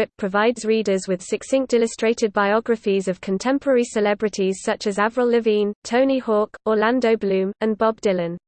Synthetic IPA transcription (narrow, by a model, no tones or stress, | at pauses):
ɪp̚pʰɹ̥əvaɪdz̥ɹiːdəzwɪð̥sɪksɪ̃ŋk̚d̥ɪləstɹ̥eɪtɪd̚baɪɒɡɹəfizəv̥kʰə̃ntʰɛ̃mpʰəɹɛɹisɪlɛbɹɪtʰiz̥sʌt͡ʃəzavɹəlˠlɪvĩntʰəʊ̃nihɔˑkəlãndəʊblʉ̃ːmə̃nbɒb̚dɪlə̃n